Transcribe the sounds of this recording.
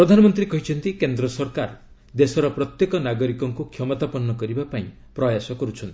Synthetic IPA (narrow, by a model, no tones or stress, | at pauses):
pɾɔd̪ʱanɔmɔnt̪ɾikɔɦit͡ʃʰɔnt̪ikend̪ɾɔsɔɾkaɾ | d̪esɔɾɔpɾɔt̪jekɔnaɡɔɾikɔŋkukʰjɔmɔt̪apɔnːɔkɔɾibapaĩ | pɾɔjasɔkɔɾut͡ʃʰɔnt̪i